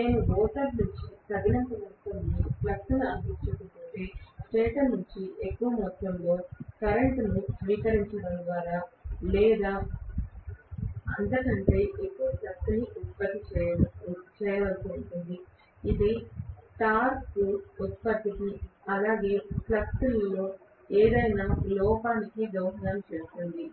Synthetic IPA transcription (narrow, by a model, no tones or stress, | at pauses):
neːnuɡɔːʈ̪ɐɾnuɲt͡ʃit̪ɐɡinɐmpɐmɐt̪ːɐmliplɐksuniɐŋpiɲt͡ʃɐkuʈuɳʈeːsʈɛːt̪ɐnuɲt͡ʃiʔekːuʋɐmɔt̪ːɐmlo̞ːkɐɾɐɳʈnusʋiːkɐɾiɲt͡ʃɐɽɐnd̪ʋaːɾalɛːd̪aː | ɐnt̪ɐkɐɳʈe̞ːʔekːuʋɐplɐk̚t̪uniʔut̪̚pɐt̪ːit͡ʃɛ | t͡ʃɛːjɐʋɐlsuuɳʈund̪i | id̪iʈaːɾkuut̪̚pɐt̪ːikiɐlaːɡe̞ːplɐkt̪ullo̞ː | eːd̪ɐjnaːlɔːkaːnikiɡɐwɦɐɾɐmt͡ʃeːst̪und̪i